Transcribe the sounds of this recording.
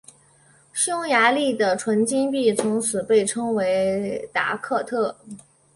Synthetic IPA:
ɕjʊ˥ŋja˧˥li˥˩d̪ə˩ʈ͡ʂʰwə˧˥nt͡ɕi˥npi˥˩t͡sʰʊ˧˥ŋt͡sʰɹ̩˨˩pe˥˩ɪʈ͡ʂʰɤ˥ŋwe˧˥ɪt̪a̰˧˥kʰɤ˥˧t̪ʰɤ˥˩

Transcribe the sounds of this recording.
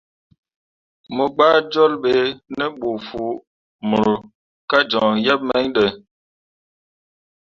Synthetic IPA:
mə˨ɡ͡ba˦d͡ʒɔ˦lɓe˨nə˦ɓo˨fu˨ | mə˨ɾo˨ | ka˦d͡ʒɔ˨ŋjɛ˦p̚mɛ˦ɲɗə˨

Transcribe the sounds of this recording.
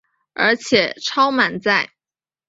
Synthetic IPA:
ə̰˞˧˥t͡ɕʰjɛ˨˩ʈ͡ʂʰɑ˥ʊma˨˩nt͡sa˥˩ɪ

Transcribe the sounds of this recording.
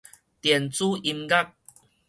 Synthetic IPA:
t̪jɛ˨˩nt͡suː˦ʔi˧mɡa˦k̚

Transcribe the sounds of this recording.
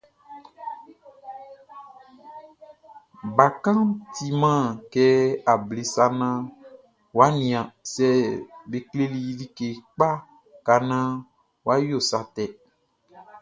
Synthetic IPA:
ba˨kã˦ti˨mã˦˨kɛ˦a˨ble˨sa˦nã˦ | wa˨˦nĩ˨ã˨sɛ˨be˨kle˦li˨ji˦li˦ke˨k͡pa˦ | ka˨nã˦ | wa˦jo˦˨sa˨t̪ɛ˨

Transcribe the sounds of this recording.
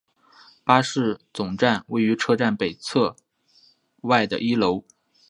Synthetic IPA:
pa˥ʂɻ̩˥˩t͡sʊ˨˩ŋʈ͡ʂa˥˧nwe˥˩ɪy˧˥ʈ͡ʂʰɤ˥˧ʈ͡ʂa˥˩npe˨˩ɪt͡sʰɤ˥˧ | wa˥˩ɪd̪ə̰˩ʔi˥lo˧˥ʊ

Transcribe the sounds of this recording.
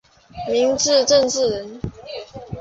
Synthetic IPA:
mi˨˥ŋʈ͡ʂɻ̩˥˨ʈ͡ʂə˥˧nt͡sɻ̩˥˨ɻə˨˦n

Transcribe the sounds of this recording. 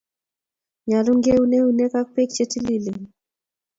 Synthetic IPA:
ɲa˨lu˦ŋɡe˦u˦ne˦u˨ne˦ka˦k̚pe˦kt͡ʃe˦ti˦li˦li˨

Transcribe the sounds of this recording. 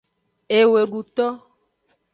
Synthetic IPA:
e˨we˨ɖu˨t̪ɔ˦

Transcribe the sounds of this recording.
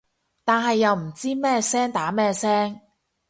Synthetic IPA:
t̪aː˨nɦɐ˨jːɐ˨wm̩˨˩t͡siː˥mɛː˥sɛː˥ŋt̪aː˨˥mɛː˥sɛː˥ŋ

